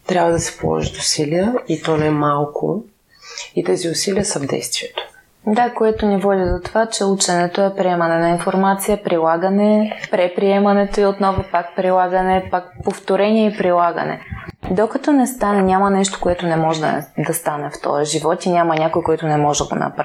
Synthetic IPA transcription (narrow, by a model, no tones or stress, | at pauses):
t̪ɾʲabvɐd̪ɐsɛ̥po̰lˠɔ̰ʒit̪ʊsiliəit̪ɔnɛmalˠkʊ̰ | it̪ɛziʊsiliəsɐvd̪ɛ̰jst̪viɛt̪o̥ | d̪akoɛt̪onivɔd̪ʲid̪ot̪ovat͡ʃɛut͡ʃɛnɛt̪oɛpɾiɛmɐnɛnɐinfoɾmat̪sijəpɾilˠaɡənɛpɾɛpɾiɛmɐnɛt̪oiot̪nɔvopakpɾilˠaɡənɛpak̚poft̪oɾɛnʲiɛipɾilˠaɡə̰nɛ̰d̪okɐt̪ɔnɛst̪anɛnʲamɐnɛʃt̪o̥koɛt̪onɛmɔʒɛd̪̰d̪ɐst̪anɛft̪ɔ̰jəʒivɔt̪inʲamɐnʲakojkoɛt̪ʊnɛmɔʒɛɡo̰nɐ̰pɾa